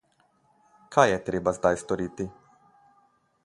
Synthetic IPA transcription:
kʰajjɛt̪ɾeːbazd̪ajst̪ɔɾiːt̪i

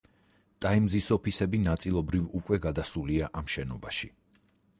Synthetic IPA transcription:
t̪ʼaimzisɔpʰisɛbinat̪sʼilˠɔbɾivukʼwɛɡad̪asuliaʔamʃɛnɔbaʃi

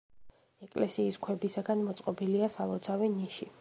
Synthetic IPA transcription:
ɛkʼlɛsiːskʰwɛbisaɡanmɔt̪sʼqʼɔbiliasalˠɔt̪sʰaviniʃi

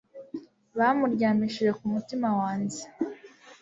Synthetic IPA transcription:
βamuɾɟaːmiʃije̞kumutimawaːɲɟe

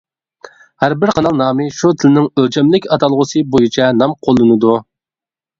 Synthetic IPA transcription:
hæɾbɪɾqʰɑnɑlˠnɑːmɨʃut̪ʰɪlɪnɪŋøld͡ʒʰɛmlɪkʲɑt̪ɑlˠʁʊsɨbojit͡ʃʰɛnɑmqʰolˠːɨnɨd̪u

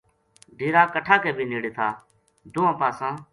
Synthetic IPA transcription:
ɖiːɾaːkəʈʰaːkeːbʱiːneːɽeːt̪ʰaː | d̪ʊːãːpaːsãː

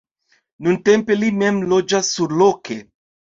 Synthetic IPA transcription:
nunte̞mpe̞lime̞mlo̞d͡ʒasːuɾlokʰe̞

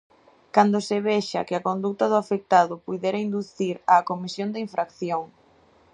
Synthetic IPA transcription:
kand̪oseβɛʃa̰keakond̪ut̪ɐðʊafek̚t̪aðʊpujðeɾaind̪uθiɾakomisjond̪ɪiɱfɾakθjoŋ

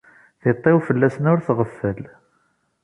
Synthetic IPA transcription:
θet̪ˤːɪwfəlːæsənʊɾθʁəfːəl

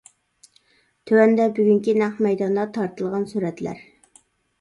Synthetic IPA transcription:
t̪ʰøwɛnd̪ɛbyɡʲyŋkʲinæχmɛjd̪ɑnd̪ɑt̪ʰɑɾt̪ʰɨlˠʁɑnsuɾɛt̪læ̰ɾ

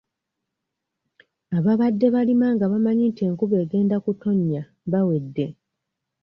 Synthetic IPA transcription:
aβaβadːe̞βalimaŋɡaβamaɲite̞ːŋkuβe̞ːɡe̞ːndakuto̞ɲːa | βawe̞dːe̞

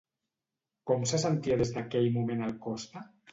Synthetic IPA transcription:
kɔmsasant̪iaðezðakɛʎmumẽnalkɔst̪a

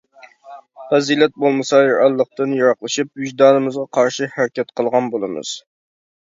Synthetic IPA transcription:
fɛzilɛt̪̚bolˠmɨsɑjɑɾɑlˠːəq̚t̪ɨnjɑɾɑχlˠɨʃip̚yʒd̪ɑːnɨmɨzʁɑqʰɑɾʃihæɾkʲɛt̪̚qʰəlˠʁɑnbolˠɨmɨ̰z̥

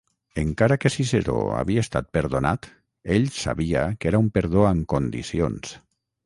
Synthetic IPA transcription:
eŋkaɾakesiseɾo̰a̰βiaest̪at̪̚peɾðonat̪ | eʎsa̰βiakeɾaumpeɾðoaŋkond̪ḭsio̰ns

